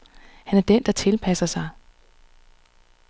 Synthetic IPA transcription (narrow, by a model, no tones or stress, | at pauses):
hænæɐd̥end̥ɑ̈t͡sʰe̝lpʰæsɐsɑ̈ɪ